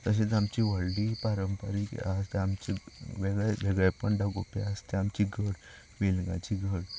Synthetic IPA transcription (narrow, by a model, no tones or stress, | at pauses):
t̪əɕ̬et͡samt͡ɕiʋəɭɽipaɾəmpəɾikast̪ɛamt͡ɕiʋeɡɭeʋeɡɭɛpəɳɖaɡopeast̪ɛamt͡ɕiɡʱəɽ | ʋelŋɡa̰t͡ɕiɡʱəɽ